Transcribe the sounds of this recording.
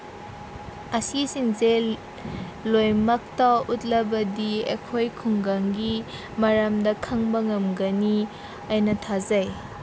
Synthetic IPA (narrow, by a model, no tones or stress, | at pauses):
ɐsisiŋze | lojmɐk̚tawut̚lɐbɐdiḛkʰojkʰuŋɡaŋɡi | mɐɾamdɐkʰɐŋbɐŋɐmɡɐni | ɐjnɐtʰazaj